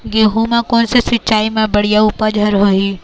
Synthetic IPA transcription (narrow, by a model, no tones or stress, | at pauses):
jeɦumãkoːnsesɪtːt͡ʃaːimẽbɐɽijauːpəd͡ʒʱɐɾɦoːɦi